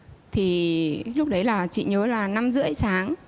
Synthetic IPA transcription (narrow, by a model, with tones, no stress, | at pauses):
t̪ʰi˨˩lʊ˦˥k͡p̚ɗə˨˦jlaː˨˩t͡ɕḭ˧˨ɲəː˨˦laː˨˩na˧mzɨ̰˧˥əjsaː˨˦ŋ